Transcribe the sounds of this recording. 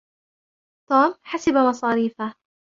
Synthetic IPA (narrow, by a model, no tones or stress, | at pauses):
t̪uːmħasabamɑsˤɑːɾiːfa